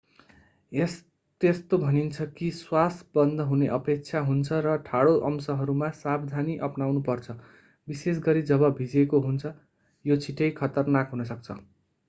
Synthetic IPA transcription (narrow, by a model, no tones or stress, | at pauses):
es | t̪est̪obʱʌnint͡sʰʌkiswasbʌnd̪ʱʌɦuneʔʌpek̚t͡sʰaɦunt͡sʰʌɾʌʈʰaɽoʔʌmsʌɦʌɾumasabd̪ʱaniʔʌpnawnupʌrt͡sʰʌ | bises̬ɡʌɾid͡zʌbʌbʱid͡zekoɦunt͡sʰʌ | jot͡sʰiʈʌjkʰʌt̪ʌrnakɦunʌsʌk̚t͡sʰʌ̰